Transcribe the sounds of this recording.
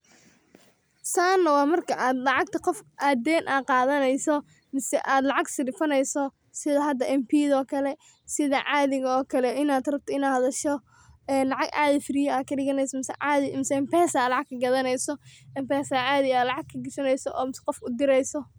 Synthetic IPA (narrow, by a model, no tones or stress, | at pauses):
saːnːɐwɑːmɐrkʰɐʔaːd̪lɑʕɑɡ̚t̪ʰɐqɔfʔaːd̪ɛːnʔaːqɑːðɐnɛjsɔ | mɪsɛ̰ʔaːd̪lɑʕɑɡsɪɖɪfɐnɛjsɔ | sɪðɐɦɐd̪ɐʔɛmpʰiːðɔːkʰɐlɛ | sɪðɐʕaːðɪɣɐɔːkʰɐlɛɪnaːd̪rɐb̚t̪ʰɐɪnaːhɐðɐʃɔ | ɛːnlɑʕɑɡʔa̰ːðɐfɪɾɪjɔaːkʰɐɖɪɣɐnɛjsɔmɪsɛðɪmɪsɛɛmpɛːsaːlɑʕɑɡ̚kʰɐɡɐðɐnɛjsɔʔɛmpɛːsaʕaːðɪjaːlɑʕɑɡ̚kʰɐɡɪsɐnɛjsɔʔɔːmɪsqɔfʊd̪ɪɾɛjsɔ